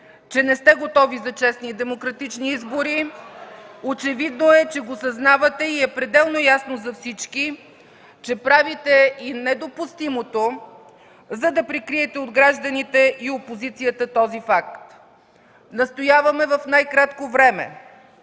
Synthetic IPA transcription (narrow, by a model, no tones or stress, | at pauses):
t͡ʃɛnɛst̪ɛɡot̪ɔvizɐt͡ʃɛsnid̪ɛmokɾɐt̪it͡ʃniizboɾi | ot͡ʃɛvid̪noɛt͡ʃɛɡosɐznavɐt̪ɛiɛpɾɛd̪ɛlˠnojasnozɐfsit͡ʃki | t͡ʃɛpɾavit̪ɛinɛd̪opust̪imot̪o | zɐd̪ɐpɾikɾiɛt̪ɛod̪ɡɾaʒd̪ɐnit̪ɛʔiopozit̪sijət̪ət̪ɔzifak̚t̪ | nɐst̪ojavɐmɛvɐfnajkɾat̪kovɾɛmɛ̰